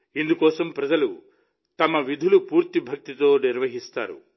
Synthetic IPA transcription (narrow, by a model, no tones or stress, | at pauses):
ind̪ukɔːsɐmpɾɐd͡ʒɐlu | t̪ɐmɐʋid̪ʱulupuːɾt̪ibʱɐk̚t̪it̪o̞ːniɾʋɐɦist̪a̰ːɾṵ